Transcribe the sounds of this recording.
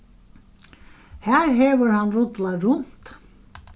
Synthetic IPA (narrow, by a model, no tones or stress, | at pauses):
hæːɾɦeːʋəɾhanrʊt̪laɾʊnt̪